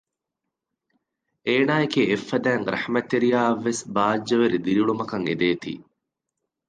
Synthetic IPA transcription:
eːnaːekeːfːɐd̪æːŋɾrʔɐ̰hmɐt̪ːeɾijaːʋːesbaːd͡ʒːɐʋeɾid̪iɾiɭumɐkɐŋed̪eːt̪ḭː

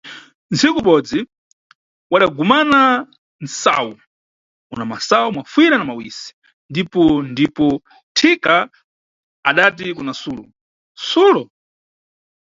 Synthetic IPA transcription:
nzikuɓɔd͡zi | waɗaɡumana | nsa̰wu | unamasawumwafwiɾanamawisi̥ | ndipɔndipɔ | tʰika | aɗat̬ikunasuːlɔ | suːlɔ

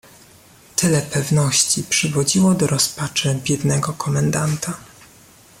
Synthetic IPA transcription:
t̪ɘlɛpɛvnɔɕt͡ɕipʂɘvɔd͡ʑiwɔd̪ɔɾɔspat͡ʂɘbʲjɛd̪nɛɡɔkɔmɛnd̪ant̪a

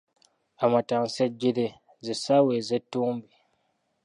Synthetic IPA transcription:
amataŋsɛd͡ʒide | zɪsaːwezɛtubi

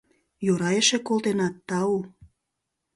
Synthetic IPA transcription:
joɾɑjeʃekolˠt̪enɑt̪ːɑu

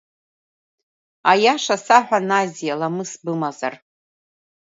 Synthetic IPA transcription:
ajaʂasaħʷᶣanazijalamɨsbɨmaza̰r

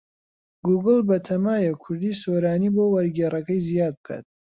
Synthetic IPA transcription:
ɡuːɡɨlˠbɐt̪ʰɐmaːjɛkʰʊɾd̪iːsoɾaːniːbowɐɾɡeːrɐkɐjzijaːd̪̚b̚kʰa̰t̪̚

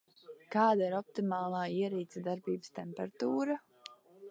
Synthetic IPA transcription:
kaːd̪aiɾɔp̚t̪imaːlˠaːiɛɾiːt̪sad̪aɾbiːbə̥st̪ɛmpɛɾat̪uːɾa

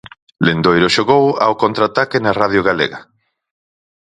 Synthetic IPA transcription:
lend̪ojɾoʃoɣowa̰wkont̪ɾat̪akenaraðjoɣalḛɣa

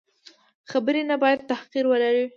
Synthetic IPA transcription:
xabəɾenabɑjad̪̚t̪ahqiɾwəlaɾi

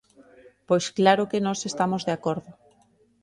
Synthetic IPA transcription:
pojsklaɾokenɔsest̪amozðeakoɾðo

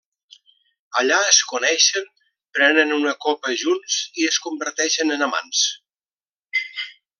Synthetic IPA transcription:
əʎaəskunɛʃəm | pɾɛnənunəkopəʒunsiəskumbəɾt̪ɛʃənənama̰ns

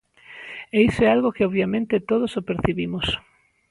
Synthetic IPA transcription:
eisoealɣokɪɔββjamẽnt̪ɪt̪oð̞osopeɾθiβimʊs

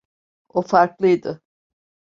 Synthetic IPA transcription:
ofaɾklˠɯjd̪ɯ

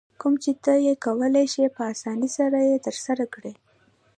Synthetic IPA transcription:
kumt͡ʃet̪əjekawəlajʃepəasɑnisaɾajet̪əɾsaɾakɽe

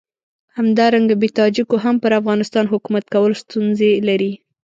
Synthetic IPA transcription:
hamd̪ɑɾaŋɡabet̪ɑd͡ʒikoɦampəɾafɣɑnɪst̪ɑnɦʊkumat̪̚kawəlost̪unzelaɾi

